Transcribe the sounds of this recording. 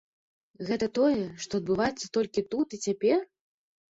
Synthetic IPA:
ɣɛt̪ɐt̪ɔjɛʂt̪ɔɐd̪̚bɨvajɛt̪sːɐ̥t̪ɔlʲkʲit̪ut̪it͡sʲapʲɛr

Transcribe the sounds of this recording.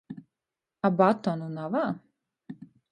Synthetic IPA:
abat̪ɔnunava

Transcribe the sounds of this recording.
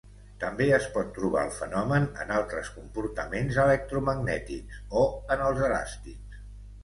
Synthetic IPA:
t̪əmbeəspɔt̪ːɾuβ̞a̰əlˠfənɔmənə̰nalˠt̪ɾəskumpuɾt̪əmenzələk̚t̪ɾuməɡnɛt̪iksoənəlˠzəla̰st̪iks

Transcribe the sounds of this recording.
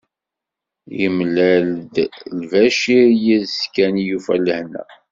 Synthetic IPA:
jəmlæld̪lvæʃiɾjiðskænijufæləhnæ̰

